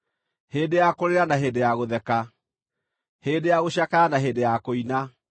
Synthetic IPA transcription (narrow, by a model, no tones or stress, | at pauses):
heːdejakoɾeɾanaɦeːdejaɣoðɛka | heːdejaɣoɕjakaanaɦeːdejakoina